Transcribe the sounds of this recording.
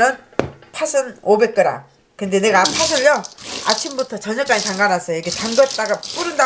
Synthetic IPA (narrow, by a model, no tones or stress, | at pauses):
ɯnpʰasʰɯnobe̞k͈̚ɯɾa̰ | kɯnde̞ne̞ɡapʰasʰɯʎjʌa̰t͡ɕʰimbutʰʌt͡ɕʌɲʌk͈̚aɲitaŋɡanas͈ʰʌjojikʰet͡ɕaŋɡʌt͈aɡap͈uɾɯnda